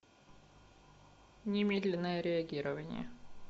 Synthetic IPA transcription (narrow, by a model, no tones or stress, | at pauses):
nʲɪmʲed̪lʲɪnːəjəɾʲɪɐɡʲiɾəvənʲɪ̰jə̰